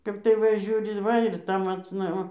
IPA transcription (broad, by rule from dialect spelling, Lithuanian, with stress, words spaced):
ˈkɐp tɐɪ ˈʋɐ ˈʒʲuːrʲɪ ˈʋɐ ɪr ˈtɐ mɐt͡sˈnɐ ʋɐ